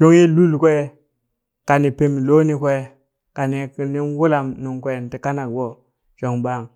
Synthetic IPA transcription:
ʃo˦ŋji˦lu˦lkʷe˦ | ka˨ni˨pe˨mi˨lo˦ni˦kʷe˦ | ka˨ni˨ni˦nwu˦la˨mnu˨ŋkʷe˦˨n˨ti˦ka˦na˨kbo˦ | t͡ʃo˨ŋba˦˨ŋ

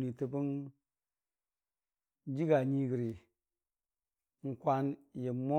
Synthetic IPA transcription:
ni˨tə˨pi˦n˦ | d͡ʒi˦ɡa˨ɲi˦ɡi˨ɾi˨ | ŋ̩˨kʷa˦nje˨mo˦

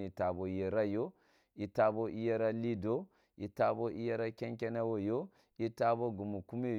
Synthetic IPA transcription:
i˨ta˨bo˨je˨ɾa˦jo˦ | i˨ta˨bo˦ʔi˦je˦ɾa˦li˦do˦ | i˨ta˦bo˦ʔi˦je˦ɾa˦kʲɛ˦ŋkʲɛ˦na˦wo˦jo˦ | i˦ta˦bo˦ɡu˨mu˨ku˦me˦˨

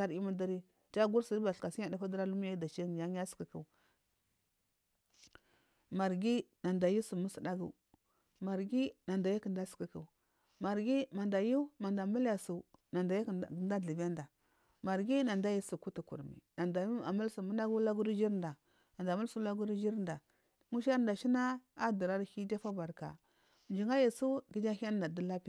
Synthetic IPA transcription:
a˨ɾi˦ma˦da˦ɾi˦ | d͡ʒa˦ɡu˦ɾsi˨dba˨ɬka˨si˦a˦˨da˦fa˦də˦ɾa˦lu˦m˦ja˦da˨t͡ʃi˦˨ja˦ɲ˦a˦ski˨kə˦˨ | ma˨ɾɡi˦na˨nda˨ju˦su˨mu˦sə˨da˦ɡṵ˨ | ma˨ɾɡi˦na˨nda˨ja˦kə˨nda˦sə̥˨ki˨kə˨ | ma˨ɾɡi˦ma˨nda˨ju˦ma˨nda˨mu˦lja˨su˨na˨nda˨˦˨nda˦ɮi˨ba˦nda˨ | ma˨ɾɡi˦na˨nda˦ji˦su˨ku˦tu˨kṵ˨ɾmḭ˨na˨da˨˦a̰˨mu˦lsu˨mu˦na˦ɡu˦la˦ɡu˦ɾi˦d͡ʒi˦ɾnda˨ | a˨nda˨mu˦lsu˦la˦ɡu˦ɾi˦d͡ʒi˦ɾnda˨ | ŋu˦ʃa˦ɾda˨ʃi˦na˦a˦du˨ɾa˦ɾhi˦da˦fa˦ba˨ɾka̰˨ | nd͡ʒi˨ŋa˦ja˨su˦ɡi˨˦d͡ʒa˦ha˦da˨du˦la˦pi˦

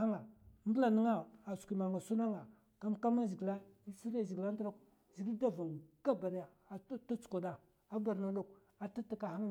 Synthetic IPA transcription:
a˦ŋa˨m˦bə˦la˨ni˦ŋa˦a˨su̥˨kʷi˨ma˨ŋa˨su˦na˦ŋa˨ | ka˦mka˦ma˦zi˨ɡla˦i˦si˦ɾa˦˨zi˨ɡla˦n˦dɾa˦k | zi˨ɡda˦va˨ŋɡ̥a˦ba˨ɾja˨˦ta˦t͡su̥˨ko˨da˨ | a˦ba˨ɾna˨du˦˨k̚ | a˨ta˦ta˦ka˨ha˦ŋ˦

